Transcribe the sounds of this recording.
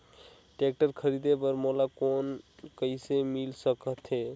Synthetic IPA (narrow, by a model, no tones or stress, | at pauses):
ʈek̚ʈəɾkʰəɾid̪ebəɾmolakonkəisemilsəkət̪ʰɦe